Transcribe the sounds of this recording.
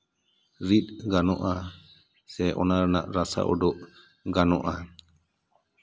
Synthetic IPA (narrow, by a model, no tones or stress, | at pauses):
ɾit̪̚ɡanɔʔa | sɛʔɔ̰naɾna̰ʔɾasa̰ʔɔɖɔʔ | ɡanɔʔa